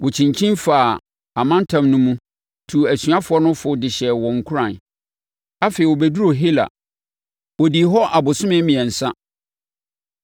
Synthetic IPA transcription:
wʔɔ˨t͡ɕʰĩ˨ɲ˨t͡ɕʰĩ˦nfa˨ | a˨mã˦n̩˦tʰã˨mnʊ̃˦mũ˦ | tʰu˨æ˨sɥa˦fʊ˨˦ɔ˦nʊ̃˦fʊ˦dɪ˨ɕɛ˨wɔ̃˨ŋ̩˨kʰu˦ɾã˨n | a˦feː˨i˨wɔ˨bæ˦du˦ɾo˨ɦi˦la̰˨ | wɔ˨di˨ɦɔ˦ʔa˨bʊ˨sʊ̃˦mɪ̃˦mĩ˨ɛ̃˨n̩˨sã˦

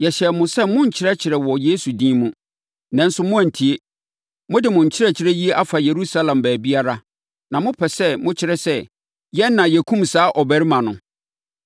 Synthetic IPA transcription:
jɛ˨ɕɛ˨mʊ̃˨sɛ˦mʊ̃˦ɲ̩˨t͡ɕʰɪ˦ɾɛ˦t͡ɕʰɪ˨ɾɛ˨wɔ˨jeː˦su˨dĩ˦mũ˦ | nã˨n̩˦sʊ˦mʊ̃˦æ˨n̩˨tʰi˨e˦ | mʊ̃˦dɪ˨mʊ̃˨ɲ̩˨t͡ɕʰɪ˦ɾɛ˨t͡ɕʰɪ˦ɾɛ˦ji˦e˦ʔa˦fa˨je˨ɾu˦sa˦lã˨mbæː˨bi˦a˦ɾa˦ | nã˨mʊ̃˦pʰɛ˨sɛ˦mʊ̃˦t͡ɕʰɪ˦ɾɛ˨sɛ˦ | jɛ˦nːã˨jɛ˨kʰũ˦msaː˨˦ʔɔ˨bæ˨ɾi˦mã˨nʊ̃˨

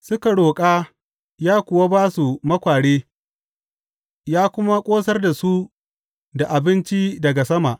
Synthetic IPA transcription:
sʊ˦ka˨ɽoː˨kʼaː˦ | jaː˦kʷʊ˨wa˦baː˦su˨mɐ˦kʷaː˨ɽeː˦ | jaː˦kʷʊ˦ma˦kʷʼoː˦sɐ˦rda˨su˦ | da˨ʔa˨bɪ˦nt͡ʃi˦dɐ˨ɡa˨sɐ˦ma˨ʔ

